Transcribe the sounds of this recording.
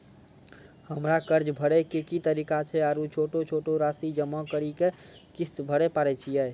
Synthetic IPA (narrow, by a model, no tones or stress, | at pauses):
həmɾakəɾd͡ʒbʱəɽɛkekit̪əɾikat͡ʃʰɛaɾut͡ʃʰoʈot͡ʃʰoʈoɾasid͡ʒəmːɔkəɾike | kist̪bʱəɽɛpaɾɛt͡ʃʰijɛ